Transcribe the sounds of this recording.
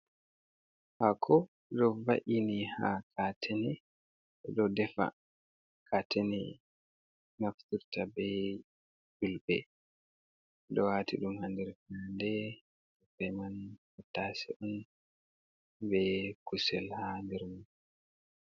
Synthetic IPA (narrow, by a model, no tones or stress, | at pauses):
hakʰɔ | ɗɔvaʔinihakʰatʰɛnɛ | ɛɗɔdɛfa̰ | kʰatɛnɛ | naftuɾtabɛ | d͡ʒulbɛ̰ | dɔwatiɗumhandɛɾfandɛ | sufɛjman | ɔtːasɛʔɔn | bɛkusɛlhandɛɾman